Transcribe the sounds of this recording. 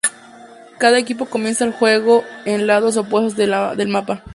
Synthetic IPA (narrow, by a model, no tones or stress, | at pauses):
kaðaek̬ip̬o̞ko̞mje̞nsaːlxwe̞ɣ̞oenlaðo̞s̬op̬we̞st̪ozðeðelmapa